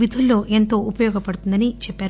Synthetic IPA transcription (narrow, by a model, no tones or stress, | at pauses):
id̪ʱulːo̞ːʔe̞nt̪o̞ːʔupɐjɔːɡɐpɐɽut̪und̪ɐnit͡ʃɛpːaːɾ